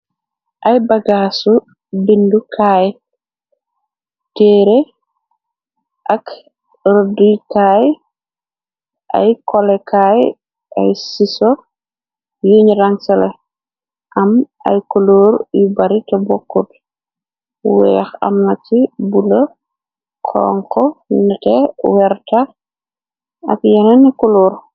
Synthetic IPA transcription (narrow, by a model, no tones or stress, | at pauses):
ʔɐjbaɡasu | bindukʰaːj | tɛːɾe | ʔak | ɾdujkaj | ʔa̰jkɔlɛkaːj | ʔa̰jsisɔ | juɲɾaŋsɐlɛ | ʔɐm | ɐ̰jkuluɾjubɐɾitɐbɔkːut | wɛxɐ̰mnɐt͡ʃːibulɐ | kʰɔ̰ːŋkɔnɐtɛwɛɾta | ɐ̰kjɛnɐnikuluːɾ